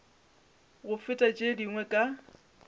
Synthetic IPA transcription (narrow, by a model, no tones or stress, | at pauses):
ɣʊfɪtʼat͡ʃʼediŋwɛkʼa